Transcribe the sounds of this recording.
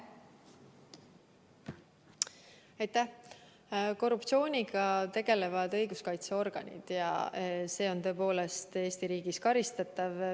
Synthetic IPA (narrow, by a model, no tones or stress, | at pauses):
ɑjt̪æh | ko̞rːupt̪sio̞ːnʲiɡ̥ɑt̪e̞ɡ̥e̞le̞vɑd̪ɤ̞jɡuskɑjt̪seo̞rɡ̥ɑ̰nʲḭd̪̥jɑ̰se̞ːo̞nt̪ø̞epo̞ːle̞st̪e̞ːst̪iɾiːɡ̥iskɑɾist̪ɑt̪ːˑɑv